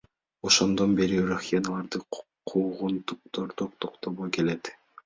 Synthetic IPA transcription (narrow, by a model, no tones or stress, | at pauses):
oʃond̪o̞nbe̞ɾiɾuxʲanalˠɑɾd̪ɯ | qʰuːʁunt̪uq̚t̪oɾt̪ʰoq̚t̪ʰoqt̪oβoke̞le̞t̪